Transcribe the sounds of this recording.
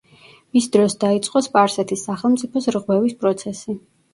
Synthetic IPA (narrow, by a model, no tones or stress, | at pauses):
misd̪ɾɔsd̪ait̪sʼqʼɔspʼaɾsɛt̪ʰisːaχɛlˠmt̪sʼipʰɔsɾʁwɛvispʼɾɔt̪sʰɛsi